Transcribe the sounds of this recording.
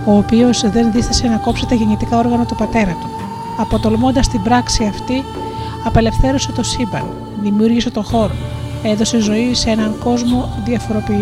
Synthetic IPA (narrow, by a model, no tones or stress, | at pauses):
o̞ːpio̞zðe̞nðist̪ise̞nɐko̞pset̪ɐʝeɲit̪ikɐo̞ɾɣɐnɐt̪upɐt̪e̞ɾɐt̪u̥ | ɐpo̞t̪o̞lmo̞nd̪ɐst̪imbɾɐksiɐft̪i | ɐpe̞le̞fθe̞ɾuse̞t̪o̞simbɐ̰l | ðimiuɾʝise̞t̪o̞xo̞ɾo̰eðo̞sezo̞isee̞nɐŋko̞zmo̞ðiɐfo̞ɾo̞pi